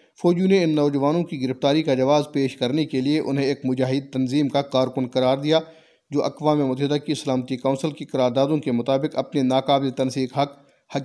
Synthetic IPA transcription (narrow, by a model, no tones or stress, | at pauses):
foːd͡ʒjũneɪnːɔːd͡ʒɐʋaːnõkiɡɪɾɪft̪aːɾikad͡ʒɐʋaːzpeːʃkɐɾnekelieʔʊ̰nɦẽeːkmʊd͡ʒaːɦɪd̪̚t̪ɐnziːmkaqaːɾkʊnqɐɾaːɾd̪ija | d͡ʒoːʔɐqʋaːmemʊt̪ɐɦɪd̪akisɐlaːmət̪ikãːnsɪlkiqɐɾaːɾd̪aːd̪õkemʊt̪aːbɪqɐ̰pnenaːqaːblet̪ɐnsiːkɦɐq | hɐ